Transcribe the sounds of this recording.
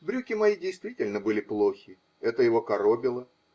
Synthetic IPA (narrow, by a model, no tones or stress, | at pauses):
bɾʲukʲɪmɐjidʲɪjst̪vʲitʲɪlʲnəbɨlʲɪplˠo̞xʲɪ | ɛt̪əjɪvo̞kɐɾobʲɪlˠə